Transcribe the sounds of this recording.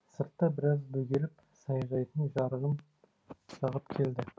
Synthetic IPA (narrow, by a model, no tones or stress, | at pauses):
səɾt̪ːɑbɪɾɑzbɵɡʲe̞lɪp | sɑjʒɑjt̪ənʒɑɾəʁən | ʃɑʁəpkʲʰe̞ld̪ɪ